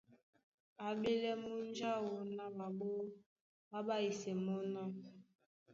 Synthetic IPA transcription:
a˨be˦lɛ˦mu˦n˦d͡ʒa˦wo˨na˦ɓa˨ɓo˦ | ɓa˦ɓa˦i˨sɛ˨mɔ˦na˦

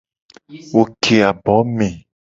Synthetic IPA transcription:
wo˨kʰe˨a˨bɔ˨˦mẽ˨

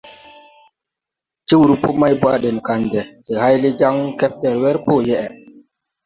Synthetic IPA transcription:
ti˦wu˨ɾu˦po˦ma˦jbwa˦ɗɛ˨n˨ka˨ndɛ˨te˨ha˦jli˦d͡ʒa˦ŋkɛ˦fɗɛ˨ɾwɛ˦ɾpo˦jɛ˦ʔɛ˨

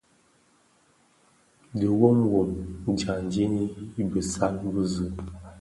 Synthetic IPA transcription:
də˨wo˦m˦wo˨m˦˨d͡ʒa˨n˨di˦ni˦i˦bə˨sa˦nbə˦zə˨

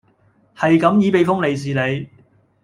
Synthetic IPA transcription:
hɐ˨jkɐ˨˥mjiː˨˧˥pe˨˧jfʊ˥ŋle˨js̬iː˨le˨˧j

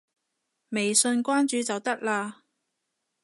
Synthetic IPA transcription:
me˨jsɵ˧nkʷaː˥nt͡ʃyː˨˧t͡sɐ˨wt̪ɐ˥k̚laː˧

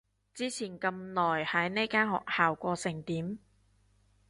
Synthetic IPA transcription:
t͡siː˥t͡sʰiː˨˩nkɐ˧mlɔː˨˩jhɐ˨˥jne˥jkaː˥nhɔ̰ː˨k̚haː˨wkʷɔː˧sɪ˨˩ŋt̪iː˨˥m

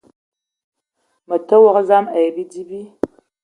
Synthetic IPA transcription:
mɐ˨tʰɐ˦wɔ˦ʁə˦za˦mɐ˨jbi˦di˦bi˦

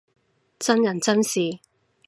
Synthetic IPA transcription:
t͡sɐ˥njɐ˨˩nt͡sɐ˥nsiː˨˩

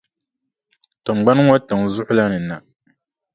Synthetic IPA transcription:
tɨ˨ŋ͡m̩˨ɡ͡ba˦n˦ŋo˦tɨ˨ŋzʊ˦hʊ˦la˦nɨ˨na˨

